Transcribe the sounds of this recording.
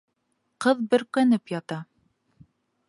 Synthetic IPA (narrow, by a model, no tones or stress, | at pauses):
qɤðbɘ̆ɾkænɘpjɑt̪ɑ